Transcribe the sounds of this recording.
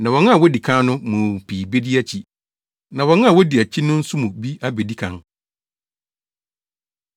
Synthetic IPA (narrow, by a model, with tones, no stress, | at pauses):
nã˨wɔ̃˨nʊ̃˦a˨wɔ˦di˨kʰã˦nʊ̃˦mũ˨pʰiː˨be˦di˦æ˦t͡ɕʰi˨ | nã˨wɔ̃˨ñ˦a˨wɔ˦di˨æ˨t͡ɕʰi˦nʊ̃˦n̩˦su˦mũ˨bi˦a˦be˨di˦kʰã̰˨n